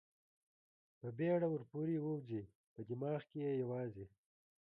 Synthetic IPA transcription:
pəbeɽawʊɾpuɾiwowzi | pəd̪imɑːɣkejejawɑːzi

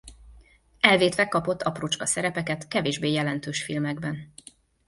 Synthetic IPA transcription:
ɛlveːt̪ʋɛkɒpo̞t̪ːɒprut͡ʃkɒsɛɾɛpɛkɛt̪kɛveːʒbeːjɛlɛnt̪øːʃfilmɛɡbɛn

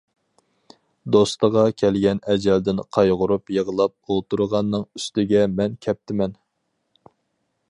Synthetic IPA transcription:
d̪ost̪əʁɑkʲʰɛlɡʲɛnɛd͡ʒɛld̪ɪnqʰɑjʁʊɾupjəʁəlˠɑp̚olˠt̪uɾʁɑnːɨŋyst̪ɪɡʲɛmɛnkʲʰɛp̚t̪ʰɪmɛn

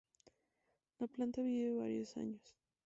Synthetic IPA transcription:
laplant̪aβiβeβa̰ɾjosa̰ɲos

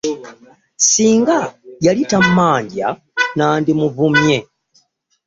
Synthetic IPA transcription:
siːŋɡajalitam̩maːɲɟja̰ | naːndimuvumje

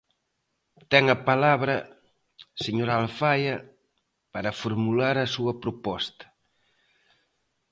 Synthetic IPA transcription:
t̪ɛŋɐpalaβɾɐ | seɲoɾalfajɐ | paɾɐfoɾmulaɾɐsuɐpɾopɔst̪ɐ̥

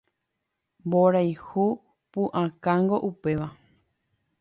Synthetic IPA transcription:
mboɾajhu | pũʔãkãŋɡo̞ʔupe̞ʋa

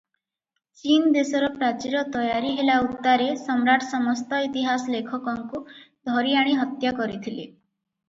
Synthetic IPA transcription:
t͡ʃind̪esɔɾɔpɾat͡ʃiɾɔt̪ɔjaɾiɦelaut̪ːaɾesɔmɾaʈsɔmɔst̪ɔit̪iɦasɔlekʰɔkɔŋkud̪ʱɔɾiaɽ̃iɦɔt̪jakɔɾit̪ʰilḛ

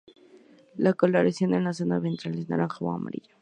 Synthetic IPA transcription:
lakolaɾasjonenlas̬onaβent̪ɾalisna̰ɾaŋxawa̰ŋa̰ma̰ɾiʎḁ

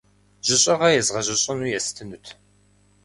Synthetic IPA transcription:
ʒ̥ɨɕʼɐʁɐjɛzʁɐʑɐɕʼɐnujɛstʰɨnutʰ

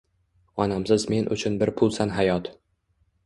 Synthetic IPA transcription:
ɒnamsɪzme̞nʔʊ̰t͡ʃʰʊnbɪɾpʰʊlˠsanɦajɒt̪

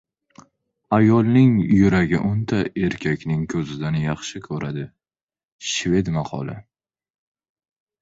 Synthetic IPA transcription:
ajɒlˠnɪŋjʊɾaɡʲɪ̰ʔʊnt̪ʰae̞ɾkʲʰakʲnɪŋkʰɵzɪd̪anjɑχʃɪkʲʰɵɾʔad̪ɪ | ʃve̞d̪mɑqʰɒ̰lˠɪ̰

